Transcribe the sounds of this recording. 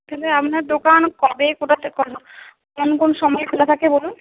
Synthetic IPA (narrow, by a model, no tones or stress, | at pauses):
k̪ʰɛleamnaɾd̪okankɔbekoʈat̪ekɔakonkonoʃɔmɔekelat̪ʰakebolun